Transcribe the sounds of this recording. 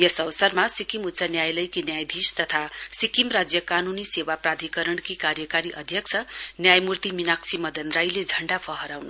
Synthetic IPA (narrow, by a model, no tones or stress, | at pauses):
jʌsʌwʌsʌrmasikimut̪ːsanjajlʌjkinjajd̪ʱist̪ʌt̪ʰasikimrad͡zjʌkanunisewaprad̪ʱikʌɾʌɳkikaɾjʌkaɾiʔʌd̪ʱjʌk̚t͡sʰʌnjajmurt̪iminaksimʌd̪ʌnɾajled͡zʱʌɳɖapʰʌɦʌɾawnu